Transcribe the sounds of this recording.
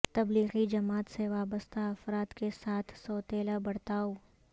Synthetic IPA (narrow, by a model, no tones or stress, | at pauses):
t̪ɐbliːɣid͡ʒɐmaːt̪seʋaːbəst̪aɐfɾaːt̪kesaːt̪ʰsɔːt̪eːlabɐɽt̪aːoː